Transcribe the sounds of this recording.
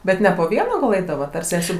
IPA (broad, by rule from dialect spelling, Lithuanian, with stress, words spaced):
ˈbʲɛt nʲɛ poː ˈʋʲiɛnɐ ɡɐlˠ ˈɛɪdɐʋɐt ɐr ˈsʲæːsʲuː